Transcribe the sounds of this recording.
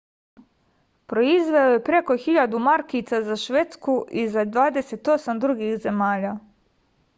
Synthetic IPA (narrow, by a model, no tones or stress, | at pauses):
pɾo̞izʋeojepɾe̞ko̞xiʎad̪umaɾkit̪sazaʃʋet̪skuʔizad̪ʋaːd̪ese̞t̪o̞samd̪ɾuɡixze̞maːʎa